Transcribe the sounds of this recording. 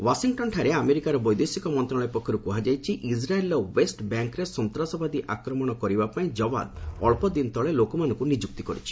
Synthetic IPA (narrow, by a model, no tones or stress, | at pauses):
wasiŋʈɔnʈʰaɾeameɾikaɾɔbɔjd̪esikɔmɔnt̪ɾɔɭɔjpɔkʰːɔɾukuɦad͡ʒajt͡ʃʰiʔisɾaelɔwesʈbjaŋkɾesɔnt̪ɾasɔbad̪iʔakɾɔmɔɽ̃ɔkɔɾibapaĩd͡ʒɔba̰d̪ɔ̰ɭpɔd̪int̪ɔɭelokɔmanɔ̃ŋkunid͡ʒuk̚t̪ikɔɾḭt͡ʃʰi̥